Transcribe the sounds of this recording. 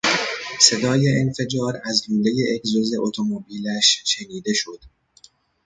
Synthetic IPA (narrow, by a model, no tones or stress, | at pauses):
se̞d̪ɒːje̞ʔenfe̞d͡ʒɒːɾæzluːle̞je̞ʔekzoze̞ʔot̪ʰomobiːlæʃʃeniːd̪e̞ʃo̞d̪̥